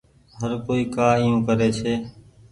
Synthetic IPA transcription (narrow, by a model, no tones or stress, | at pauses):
ɦəɾkoːiːkaːijũːkəɾeːt͡ʃʰeː